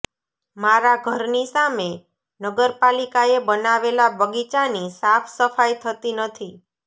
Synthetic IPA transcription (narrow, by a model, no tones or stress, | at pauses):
maɾaɡʱəɾnisame | nəɡəɾpalikaebənaʋelabəɡit͡ʃanisafʰsəfajt̪ʰət̪inət̪ʰi